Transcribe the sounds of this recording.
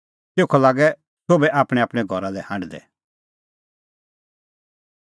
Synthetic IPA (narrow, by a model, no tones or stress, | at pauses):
t̪eːkʰɔlaːɡɛ | soːbɛʔaːpɽ̃ɛaːpɽ̃ɛɡʱɔɾalɛhãɳɖd̪ɛ̰